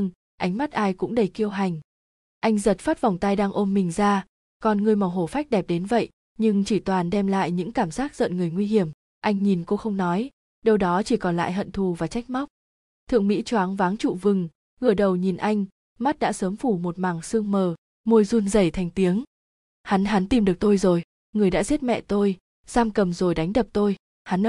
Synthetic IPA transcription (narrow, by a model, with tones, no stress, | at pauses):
ŋ | ʔa˨˦jŋ̟ma˦˥t̚ʔaː˧jkʊ̰˧˥ŋ͡mɗə˨˩jki˧əwɦa˨˩jŋ̟ | ʔa˧jŋ̟zə˨˩t̚faː˦˥t̚va˨˩wŋ͡mt̪a˧jɗaː˧ŋʔo˧nmï˨˩ŋ̟zaː˧ | kɔ˨˩nŋɨ˨˩əjma˨˩wɦo˧˩fa˦˥jk̚ɗɛ˨˩p̚ɗe˨˦nvə̰˧˨j | ɲɨ˧ŋt͡ɕi˧˩t̪waː˨˩nɗɛ˧mla̰ː˧˨jɲɨ̰˧˥ŋkaː˧˩mzaː˦˥t̚zə̰˧˨nŋɨ˨˩əjŋwi˧ɦi˧˩əm | ʔa˧jŋ̟ɲi˨˩nko˧xə˧wŋ͡mnɔ˨˦j | ɗə˧wɗɔ˨˦t͡ɕi˧˩kɔ˨˩nla̰ː˧˨jɦə̰˧˨nt̪ʰu˨˩vaː˨˩t͡ɕa˦˥jk̟̚ma˦˥wk͡p̚ | t̪ʰɨ̰˧˨əŋmḭ˧˥t͡ɕwaː˨˦ŋvaː˨˦ŋt͡ɕṵ˧˨vɨ˨˩ŋ | ɣɨ˧˩əɗə˨˩wɲi˨˩nʔa˧jŋ̟ | ma˦˥t̚ɗa̰ː˧˥səː˨˦mfu˧˩mo˨˩t̚maː˨˩ŋsɨ˧əŋməː˨˩ | mu˧jzu˧nzə˧˩jt̪ʰɛ˨˩jŋ̟t̪i˨˦əŋ | ha˨˦nɦa˨˦nt̪i˧mɗɨ˨˩ək̚t̪o˧jzo˨˩j | ŋɨ˨˩əjɗa̰ː˧˥zi˦˥t̚mɛ̰˧˨t̪o˧j | z̥aː˧mkə˨˩mzo˨˩jɗa˨˦jŋ̟ɗə˨˩p̚t̪o˧j | ha˨˦n